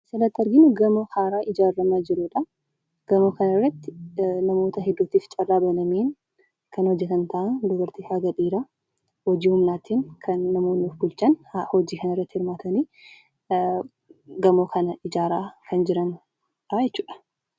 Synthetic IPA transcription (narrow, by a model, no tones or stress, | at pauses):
sɐnɐt̪ːɐɾɡɪnʊɡɐmokaːɾaːʔɪd͡ʒaːrːɐmɐd͡ʒɪɾuᶑɐ | ɡ̥ɐmoːkɐnɪrːɐt̪ːɪnɐmo̞ːt̪ɐɦɛd̪ːuːt̪iːft͡ʃʼɐrːaːbɐnɐmeːn | kʰɐnhɔd͡ʒːɛt̪ɐnt̪ɐʔɐnd̪ɔbɐɾt̪ifaɡɐᶑiːɾaː | hɔd͡ʒiːhʊmnaːt̪inkʰɐnːɐmoːnːuːfbʊlt͡ʃɐnhɔd͡ʒiːkɐnɪrːɐt̪ːɪhɪɾmaːt̪ʰɐniː | ɡɐmoːkʰɐnɐɪd͡ʒaːɾaːkʰɐnd͡ʒɪɾɐn | ᶑajɛt͡ʃːuːᶑɐ̥